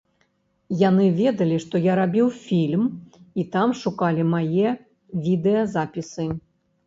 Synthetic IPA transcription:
janɨvʲɛd̪ɐlʲiʂt̪ɔjaɾabʲiwfʲilʲmit̪amʂukalʲimajɛ | vʲid̪ɛjɐzapʲisɨ

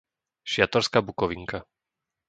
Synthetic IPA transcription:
ʃɪat̪ɔɾskaːbukɔʋiŋka

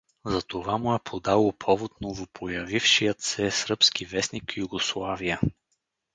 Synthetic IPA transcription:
zɐt̪ovamʊɛpʰod̪alˠopʰɔvot̪̚novopʰojɐvifʃijət̪sɛsɾɤpsk̟ivɛsnikijuɡoslˠavijə

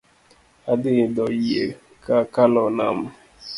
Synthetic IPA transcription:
adɪdɔiḛ | kakalɔna̰m̩

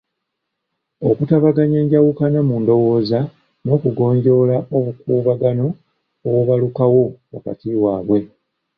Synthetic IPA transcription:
o̞kutaβaɡaɲe̞ːɲɟawukanamundo̞wo̞ːza | no̞ːkuɡo̞ːɲɟo̞laʔoβukuːβaɡano̞ː | woβalukawo̞wa̰ka̰tiwaːβwe̞

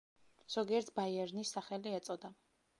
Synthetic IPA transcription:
z̥ɔɡiɛɾt̪ʰbaiɛɾnisːaχɛliɛt̪sʼɔd̪a

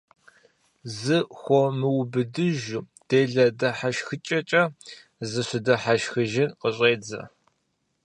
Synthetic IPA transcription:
zɨxʷɔmɨwbɨdɨʒʊ | d̥eːɮɐdɐħaʃxɨt͡ʃʼɐt͡ʃʼɐ | zɨɕʊdɐħaʃxɨʒɪnqəɕʼeːd͡zɐ̰

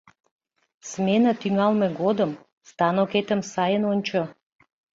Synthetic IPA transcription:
smenat̪inualˠmɛɡod̪əm | st̪anɔket̪əmsajənonʲt͡ʃə

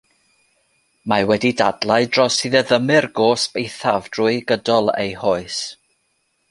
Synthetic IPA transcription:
mawɛdidadlˠaɨdrɔsɨðəðəmɨrɡoːsb̥ejθavd̥rʊɨɡədɔlˠḛjhoɨs

